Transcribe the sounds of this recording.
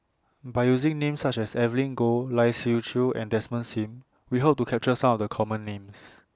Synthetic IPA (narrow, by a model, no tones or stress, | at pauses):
baɪjuzĩŋnẽmsat͡ʃɛsɛvəlĩnɡolaɪsut͡ʃʰuɛ̰̃ndɛsmə̃nsĩm | wiɦop̚tukʰɛp̚t͡ʃəsãmɔfdəkʰɔmə̃nːẽms